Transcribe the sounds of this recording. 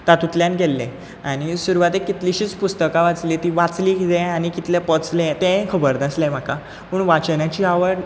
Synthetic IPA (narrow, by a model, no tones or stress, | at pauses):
t̪at̪ut̪ljãnkelːḛ̃ | añisuɾuʋat̪ekːit̪liɕiːt͡spust̪əkaʋat͡sliːt̪iʋat͡sliːkit̪ẽañikit̪lẽpət͡slẽt̪ẽkʰəbəɾd̪aslɛ̃m̤aka | puɳʋat͡ɕnjat͡ɕiaʋəɾ